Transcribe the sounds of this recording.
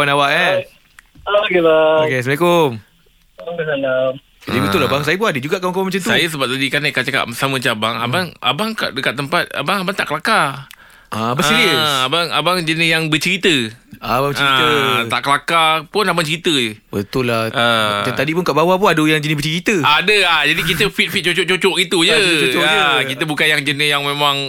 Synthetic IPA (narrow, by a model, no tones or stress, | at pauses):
kwanawaʔɛ | aɡilakesmekom | aŋbəsalam | d͡ʒadiibət̪ʊlːabaŋs̬ajəp̬unadəd͡ʒuɡaʔkawankawamat͡ʃamt̪usajas̬əbap̚t̪adikanakaʔt͡ʃaka̰ʔəsamə̃t͡ʃaabaŋa̰baŋa̰baŋka̰ʔdəkat̪̚ːəmpat̪̚a̰baŋabaŋt̪aʔkəlaka | aasiəabaŋa̰baŋd͡ʒənɪjaŋbət͡ʃəɾit̪əabat͡ʃəait̪ət̪a̰ʔkəlakapʊnabaŋt͡ʃəɾit̪əəbət̪ʊlːaʔaaadipunkaʔbawapunadəjaŋd͡ʒənɪbət͡ʃəɾit̪əadəad͡ʒadik̬it̪əfit̪̚fit̪̚t͡ʃot͡ʃoʔt͡ʃot͡ʃɔʔɡit̪ud͡ʒəɔaəkit̪əbukanjaŋd͡ʒənɪjaŋmẽmãŋ